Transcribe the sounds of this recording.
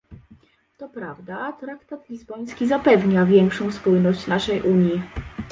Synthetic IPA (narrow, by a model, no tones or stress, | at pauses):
t̪ɔpɾavd̪at̪ɾakt̪at̪lʲizbɔj̃skʲizapɛvɲavʲjɛŋkʂɔ̃w̃spujnɔɕt͡ɕnaʂɛjʔuɲji